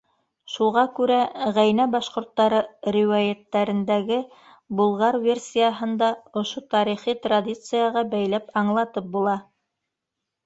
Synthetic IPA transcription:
ʃuʁɑkʉɾæʁæjnæbɑʃqŏɾt̪ːɑɾɤɾʲiwajæt̪ːæɾɘ̆nd̪æɡɘ | bulˠʁɑɾvʲe̞rsʲijəɦɤ̆nd̪ɑŏʃot̪ɑɾiχit̪radʲit̪sɨjɑʁɑbæjlæpɑɴlˠɑt̪ɤp̚bulˠɑ

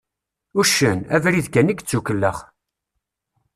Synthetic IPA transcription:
uʃːənæ̰vɾiðkæniɡt͡sːukəlːəχ

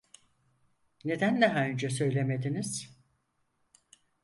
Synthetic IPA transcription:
ne̞d̪ænd̪ɛɦaønd͡ʒɛsø̞jlʲe̞me̞d̪iniz̥

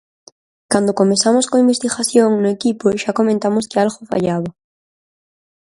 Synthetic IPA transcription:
kand̪okomesamoskoimbest̪iɣaθjoŋnoekipoʃakomẽnt̪amoskɪalɣofa̰ʎaβa

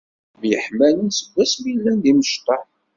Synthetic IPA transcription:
vjəħmænənsəvːæsmilːænd̪iməʃt̪ɑħ

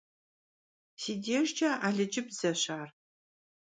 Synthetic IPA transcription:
siːdeːʒd͡ʒɐʔaːɮɨd͡ʒɪbz̥ɐɕaːr

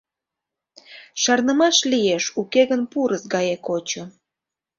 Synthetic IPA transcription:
ʃɑrnəmɑʃlijeʃukeɣənpuɾəsɡɑjekot͡ɕo

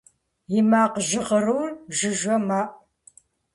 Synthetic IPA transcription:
jɪmaːqʒɪʁəruːrʒɪʒʷɐmaːʔ

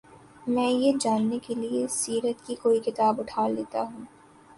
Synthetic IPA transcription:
mɛ̃ːjed͡ʒaːnːekeliesiːɾət̪kikoːikɪt̪aːbʊʈʰaːɾleːt̪aɦũː

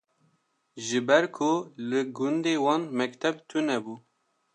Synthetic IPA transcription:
ʒɨbɛɾkʰʊlɨɡʊnd̪eːwɑːnmɛkt̪ʰɛbt̪ʰunɛbuː

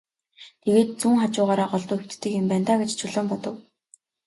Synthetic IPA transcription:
t̪ʰeɣeːt̪̚t͡suːŋχat͡ɕʊːʁaːɾaːɢɔɮt̪ʊːxekt̪t̪ːɘ̆kempæn̥t̪aːɡet͡ɕt͡ɕʰʊɮɔ̆ːmpɔt̪ɞ̆w

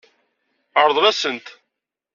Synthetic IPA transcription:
əɾˤðˤʁæsənt̪

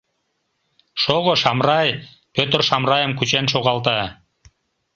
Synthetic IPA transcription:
ʃoɣoʃɑmrɑj | pʲøt̪rʃɑmrɑjə̆mkyt͡ɕenʃoʁɑlˠt̪ə

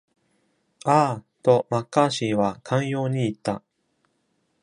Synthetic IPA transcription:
aː | t̪o̞makːaːɕiːβakʰãɰ̃jo̞ːɲ̟iːt̪ːa

